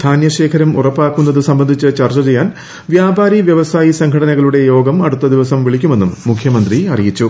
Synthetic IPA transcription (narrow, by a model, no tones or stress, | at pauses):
d̪ʰʱaːnjɐɕe̞ːkʰɐɾɐmurɐpːaːkːunːɐðɨsɐmbɐnd̪ʱit͡ɕːɨt͡ɕɐrt͡ɕɐt͡ɕe̞jːaːn | ʋjaːbaːɾiʋjɐʋɐsaːjisɐŋɡʰʱɐɽɐnɐɣɐɭuɽe̞jo̞ːɡɐmɐɽut̪ːɐd̪iʋɐsɐmʋiɭikʲːume̞nːumːukʰjɐmɐnd̪riɐrijit͡ɕːu